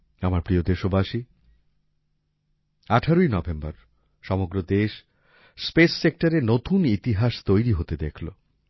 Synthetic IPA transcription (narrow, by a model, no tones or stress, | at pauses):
amaɾpɾiod̪eʃobaʃi | aʈʰaɾojnɔbembaɾ | ʃɔmoɡɾod̪eʃ | spesːek̚ʈaɾenot̪unit̪iɦaʃt̪ojɾiɦot̪ed̪ekʰlo̰